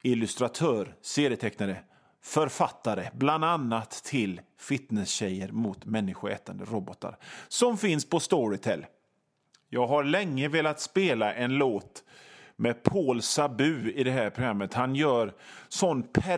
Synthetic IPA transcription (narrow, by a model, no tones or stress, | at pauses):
ɪlɵst̪ɾat̪ʰœːɾseːɾɪjət̪ʰɛknaɾə | fœɾfat̪ːaɾəbland̪anːat̪ʰːɪlfɪt̪nɛsɕɛjəɾmʊt̪mɛnːɪɧʊɛ̰ːt̪and̪ə̰ɾɔbɔt̪a̰ɾsɔmfɪnspɔst̪ɔɹɪt̪ʰɛlː | jɑːɡɦaɾɭɛŋːəveːlat̪speːlaʔɛnloːt̪mɛpʰoːlsabʉ̟ːɪd̪ɛɦæːɾpʰɾʊɡɾamːət̪hanjœːɾsɔnːpʰæ